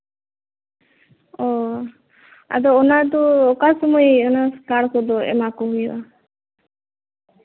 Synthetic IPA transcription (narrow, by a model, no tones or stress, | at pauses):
ɔ | a̰d̪ɔːnad̪ɔːkasɔmɔjɔnaskaɽkɔd̪ɔɛ̰makɔɦujʔa